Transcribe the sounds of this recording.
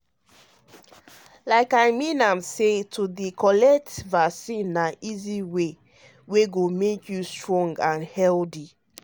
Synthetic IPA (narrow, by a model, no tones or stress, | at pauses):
laɪkaɪmĩnãmsetʰudikɔlɛk̚tvasĩnːaʔiziwe | weɡomekʰjustɹɔ̃ŋɡãnhɛldi